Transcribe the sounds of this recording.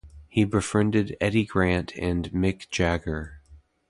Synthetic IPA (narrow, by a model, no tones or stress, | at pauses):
hibəfɹɛ̃ndɨɾɛɾiɡɹæ̃ntʰɨ̃nmɪkd̥ʒ̥æɡə˞